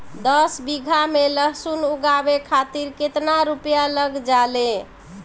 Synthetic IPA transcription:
d̪əsbiɡʱameləɦsunuɡabekʰat̪iɾket̪naɾupjaləɡd͡ʒale

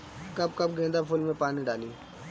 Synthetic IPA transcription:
kəb̚kəb̚ɡʱẽːnd̪aːpʰʊlmẽːpaːniːɖaːliː

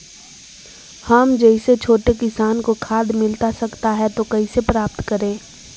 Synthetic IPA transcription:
hɐmd͡ʒɛɪset͡ʃʰoːʈekɪsaːnkokʰaːd̪mɪlt̪asɐkt̪aɦɛt̪okɐisepɾaːp̚t̪kɐɾẽː

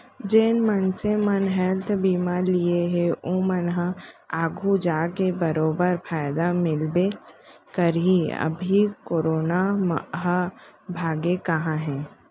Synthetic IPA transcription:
d͡ʒeːnmənsemənɦɛːlt̪ʰbiːmalieɦɛʔõːmənɦəaːɡʱud͡ʒaːkebəɾoːbəɾpʰaːɪd̪amɪlbeːt͡ʃ | kəɾiə̰bʱikoːɾoːnamɦəbʱaːɡekəɦãɦɛ̃ː

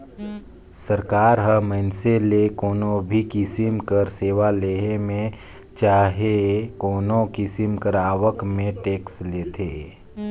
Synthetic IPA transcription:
səɾkaːɾɦəməɪnselekoːnobʱikɪsɪmkəɾseːʋaleːemẽ | t͡ʃaːɦekoːnokɪsɪmkəɾaːwəkmẽʈeːksleːt̪ʰeː

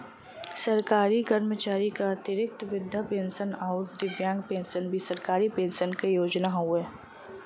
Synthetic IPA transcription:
sɐɾkaːɾikəɾmət͡ʃaːɾikat̪ɪɾɪk̚t̪ʋɪd̪ʱjapẽːnʃənɔːɾd̪ɪʋjãːŋɡpẽːnsənbʱisɐɾkaːɾipẽːnʃənkejoːd͡ʒnaɦueː

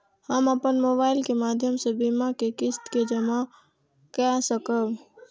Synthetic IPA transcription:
həməpənmobaːɪlkemaːd̪ʱjəmsẽbimakekɪst̪ked͡ʒəma | kɛsəkəb

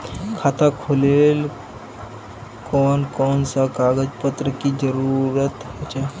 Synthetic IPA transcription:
kʰaːt̪akʰoːleːl | kɔːnkɔːnsakaːɡəd͡ʒpət̪ɾəkid͡ʒəɾuɾət̪ɦɛt͡ʃʰa

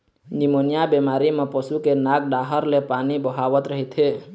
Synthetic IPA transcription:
nɪmonijabemaːɾimẽpəsukenaɡ̚ɖaɦəɾlepaːnibəɦaːʋət̪ɾəɦit̪ɦe

